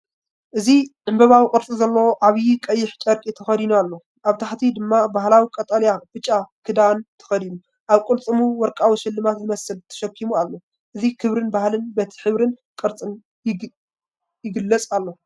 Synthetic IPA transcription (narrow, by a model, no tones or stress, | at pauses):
ʔɨziʕɨmbɐβawikʼɨɾt͡sʼizɐlːɐwoʔaβjikʼɐjːɪħt͡ʃʼɐɾkʼit̪ʰɐxɐd̪inualːo̞ | ʔaβt̪ʰaħt̪ʰid̪ɨmːabahlawikʼɐt̪ʼɐljafɨt͡ʃʼːakʰɨd̪ant̪ʰɐ̥xɐd̪inu | ʔaβkʼɨlt͡sʼɨmuwɔɾkʼawiʃɪlːɨmat̪zɨmɐsɨlt̪ʰɐ̥ʃɐkʰːimualːo̞ | ʔɨzikʰɨβɾɨnbahlɨnbɐt̪ʰi̥ħɨβɾɨnkʼɨɾt͡sʼɨn | jɪɡɨlːɐt͡sʼalːo̞